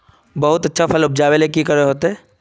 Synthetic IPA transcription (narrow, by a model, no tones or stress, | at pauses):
bɐɦʊt̪ɐtːʃʰapʰɐlʊp̚d͡ʒaːʋelekikəɾeɦoːt̪eɛ̃ː